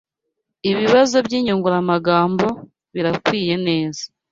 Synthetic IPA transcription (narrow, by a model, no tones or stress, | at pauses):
iβiβazo̞bjiːɲuŋɡuɾamaɡaːmbo̞ | βiɾakwiːje̞ne̞ːzḁ